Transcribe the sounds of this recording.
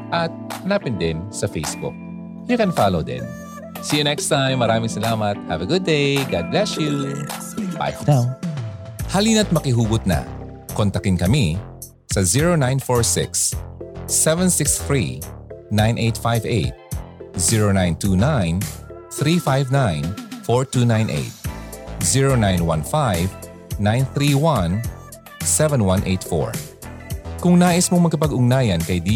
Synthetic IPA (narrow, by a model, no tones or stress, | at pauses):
ʔɐt̪̚ɐnapɪnd̪ɪnsɐfejsbʊ̰k̚ | jʊkɛ̃nfalowd̪ɪ̰̃n | siɐnɛkst̪ãjmːɐɾaːmɪŋsɐlaːmɐt̪̚hɐvɐɡʊd̪̚ːejɡad̪̚blɛsju | ba̰j̪a | hɐliːnɐt̪̚mɐkɪɦuːɡʊt̪̚nɐ̰ | kont̪ɐkɪnkɐmi | sɐziɹonãjnfoɹsɪ̰ksː | ɛvɛnsɪksθɹḭnãjnʔejt̪fajvḛjt̪̚ziɹonajnt̪uːnajnθɾifajvnãjnfɔɹt̪uːnãjnʔḛjt̪̚ziɹonajnwɐ̃nfajv | nãjnθɾiːwɐ̃n | sɛvɛnwanʔejt̪fo̰ɹ | kʊŋnaːʔɪsmoŋmɐɡkɐpɐɡʊŋnaːjɐnkɐjd̪i